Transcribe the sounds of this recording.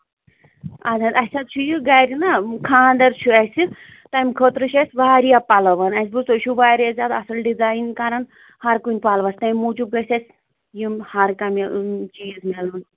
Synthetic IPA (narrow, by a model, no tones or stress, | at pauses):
azɐd̪ɐsʲɐt̪̚t͡ʃʰujiɡaɾʲinakʰaːnd̪ɐɾt͡ʃʰuɐsi | t̪ɐmkʰot̪ɾɨʃɐsʲʋaːɾijapɐlɐʋɐnɐsʲbɨsoʃʰuʋaːɾezʲaːd̪ɐsɐlɖizaːinkɐɾɐn | hɐɾkunʲpalʋɐsʲt̪ɐjmːut͡ʃub̚ɡɐsʲɐsʲ | jimhɐɾkɐmit͡ʃiːzmelun